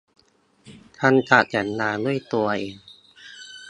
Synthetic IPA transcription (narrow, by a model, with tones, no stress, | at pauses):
t̪ʰa˧˥˨nkaː˨˩t̪̚ja˩˦nːaː˧du˥˩əjt̪u˧ɐʔeː˧ŋ